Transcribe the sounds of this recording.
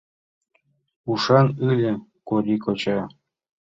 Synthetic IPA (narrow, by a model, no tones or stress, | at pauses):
uʃɑnɯlʲɘ̆koɾʲikot͡ɕɑ